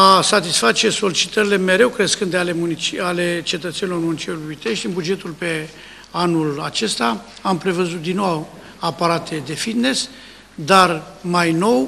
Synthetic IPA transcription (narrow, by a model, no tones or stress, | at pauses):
asat̪isfat͡ʃe̞so̞lit͡ʃi̥t̪əɾile̞me̞ɾe̞wkɾe̞skɨnd̪ealemunit͡ʃiale̞t͡ʃe̞t̪ət̪se̞nilo̞rmunit͡ʃieluit̪e̞ʃt̪ʲɨnbud͡ʒe̞t̪ulpe̞ | anula̰t͡ʃe̞st̪a | ampɾe̞vəzut̪̚d̪inːo | apaɾat̪ʰe̞d̪e̞fit̪ne̞s | d̪armajno̞w